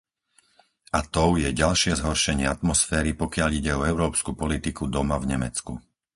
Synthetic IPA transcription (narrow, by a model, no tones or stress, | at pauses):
at̪ɔʊjɛɟalʃɪɛzɦɔɾʃɛɲɪɛat̪mɔsfɛːɾipɔkɪaʎiɟɛɔɛʊɾɔːpskupɔlit̪ikud̪ɔmavɲɛmɛ̰t͡skṵ